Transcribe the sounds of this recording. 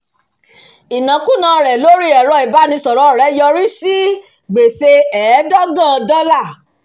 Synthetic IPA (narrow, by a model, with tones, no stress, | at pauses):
i˨nã˨kũ˦nã˧ɾɛ˨lo˦ɾi˦ɛ˨ɾɔ˧i˨ba˨˦nĩ˧˦sɔ˨ɾɔ˨˦˨ɾɛ˨˦jɔ˧ɾi˦si˦ | ɡ͡be˨se˧ɛ˨˦dɔ˦ɡã˦˨˧dɔ˦la˦˨